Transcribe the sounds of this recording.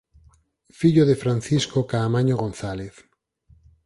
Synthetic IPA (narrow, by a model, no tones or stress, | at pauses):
fiʎoðefɾan̟θiskokaːmaɲoɣõnθaleθ